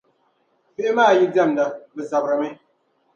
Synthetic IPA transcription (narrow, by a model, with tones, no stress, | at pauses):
fe˦maː˦˨ji˦d͡za˦˨m˨da˨bə˨sa˨bɾa˨me˦